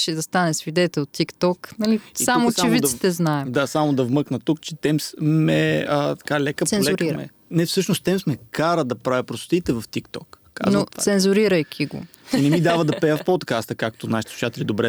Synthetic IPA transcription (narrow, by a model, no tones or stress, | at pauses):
ʃɛd̪ɐst̪anɛsvid̪ɛt̪ɛlˠt̪ːikt̪ɔknɐlisiamot͡ʃɛmvit̪i̥t̪ɛznaɛd̪asamod̪ɐvmɤknət̪uk̚t͡ʃɛt̪ɛmsmɛət̪ɐ̥kalɛkəp̪sɛnlɛɾiɾm̰ɛ̰ | nɛfsɤʃnost̪ɛmsmɛkaɾəd̪ɐpɾavʲipɾost̪o̥t̪iːt̪ɛvɐft̪ikt̪ɔkːaa̰znot̪sɛnzuɾiɾɐjk̟ʰʲiɡo̰ | inɛmid̪avəd̪ɐpɛjəfpot̪kast̪əkak̚t̪onaʃi̥t̪ɛsu̥ʃat̪ɛlid̪obɾɛ